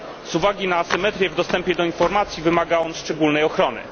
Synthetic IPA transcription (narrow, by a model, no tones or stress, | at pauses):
z̥uvaɡʲinaːsɘmɛt̪ɾʲjɛvd̪ɔst̪ɛmpʲjɛd̪ɔinfɔɾmat̪sʲjivɘmaɡaɔnʂt͡ʂɛɡulnɛjɔxɾɔnɘ̰